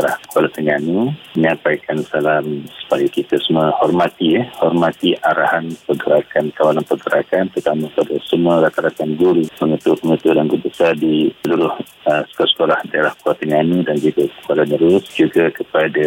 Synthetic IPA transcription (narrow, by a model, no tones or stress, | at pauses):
lahkualat̪əɲanuməɲampajkansalamsu̥pajakit̪asəmuahɔrmat̪iəhɔrmat̪iʔaɾahanpəɡəɾakankawalanpərɡəɾakant̪ərt̪amapadasəmuaɾat̪aɾak̪anɡuɾuməŋət̪upəŋət̪udanɡubəsardisəluɾʊh | əsə̥kosə̥kolahdaeɾahkualt̪əɲanudand͡ʒuɡakə̥alanəɾʊsd͡ʒuɡakəpada